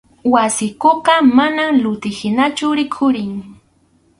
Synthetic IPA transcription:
wasɪkoqɑmanamlʊt̪ɪhɪnat͡ʃʊɾɪkʰʊɾɪŋ

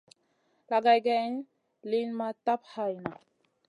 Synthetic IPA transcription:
laɡajɡan | linmãt̪ap̚hajna

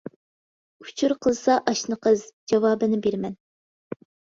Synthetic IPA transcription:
u̥t͡ʃʰuɾqʰəlˠsɑʔɑʃnəqʰəzd͡ʒɑvɑːbɨnɪbeɾmɛn

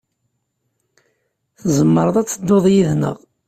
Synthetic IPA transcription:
θzəmːəɾˤəðˤæt͡sːəd̪ːoðˤjiðnə̰ʁ

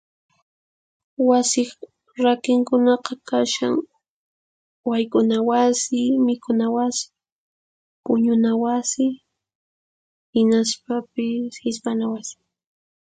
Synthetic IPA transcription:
wasɪ | ɾakɪŋkʊnɑqɑkaʃa̰ŋ | wajkʊnawasɪmɪkʊnawasɪ̥ | pʊɲʊnawasɪ | hɪnaspapɪshɪspanawasɪ̥

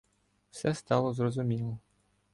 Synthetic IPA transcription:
fsɛst̪ɑlˠɔzrɔzʊmʲilˠɔ

